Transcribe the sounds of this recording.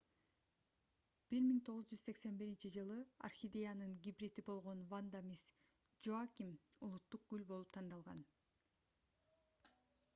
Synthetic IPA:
b̥iɾmiŋt̪ʰo̞ʁuzd͡ʒyzse̞kse̞nbiɾint͡ʃid͡ʒɯlˠɯa̰rxʲid̪ʲejanɯŋɡʲibɾʲit̪ibo̞lˠʁo̞nvand̪amʲis | d͡ʒoakʲimulˠut̪ːuq̚ɡ̥ylʲbo̞lˠup̚t̪ʰɑnd̪ɑlˠʁɑn

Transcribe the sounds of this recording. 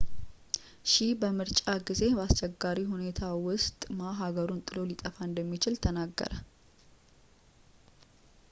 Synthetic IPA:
ʃɪbəmɨɾt͡ʃʼaɡize̞bəast͡ʃɛɡːaɾihune̞t̪ʰawʊst̪ʼmaɦaɡəɾunt̪ʼɨlo̞lit̪ʼəfaɨnd̪əmːit͡ʃɪlt̪ʰənaɡːə̰ɾə

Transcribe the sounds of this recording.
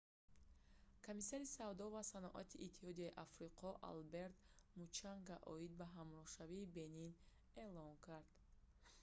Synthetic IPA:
kʰomisaɾisavd̪ɔvasanɔʔa̰t̪ʰiʔit̪ʰːihɔd̪iaiʔafɾiqʰɔʔa̰lbe̞ɾt̪mut͡ʃaŋɡaʔɔid̪̚baɦamɾɔhʃaviːbe̞nin | e̞lɔŋkʰaɾd̪̥

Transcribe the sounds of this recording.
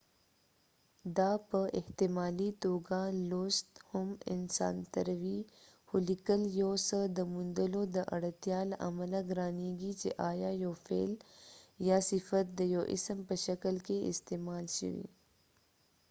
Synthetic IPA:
d̪apəʔɪht̪ɪmɑːlit̪oːɡalost̪hʊmɪ̰nsɑ̰ːnt̪ɐɾɐwihʊlɪkəljosəd̪əmund̪əlod̪əʔɐ̰ɽət̪jɑːlɐ̰malaɡɾaːneːɡit͡ʃḛʔaːjajofḛːljasɪfɐt̪̚d̪əjoʔɪ̰səmpəʃɐkəlkeɪ̰st̪emɑːlʃə̰wḭ

